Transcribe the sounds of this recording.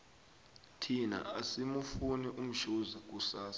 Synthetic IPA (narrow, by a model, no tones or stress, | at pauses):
tʰina̰ʔasimufunɛʔum̩ʃuzak̬ʼusaːsḁ